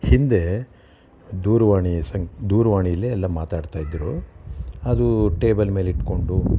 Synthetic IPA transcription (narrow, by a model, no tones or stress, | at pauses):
hind̪e̞ | d̪uːɾʋaːɳisɐŋkd̪uːɾɐʋaːɳijɐlːeɛlːɐmaːt̪aːɖt̪aːjid̪ɾu | ɐd̪uʈe̞ːbɐlme̞ːliʈko̞ɳɖu